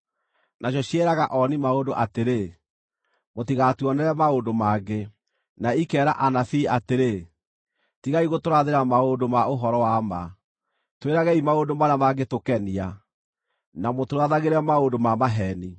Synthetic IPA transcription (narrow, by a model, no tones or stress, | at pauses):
naɕ̬ɔɕiɛɾaɣaʔɔnimaondoʔateɾe | motiɣatuɔnɛɾɛmaondomaɡe | naikɛːɾaʔanafiːateɾe | tiɣaiɣotoɾaðeɾamaondomaoɦɔɾɔwama | tweɾaɣɛimaondomanamaɡetokɛnia | namotoɾaðaɣeɾɛmaondomamaɦɛni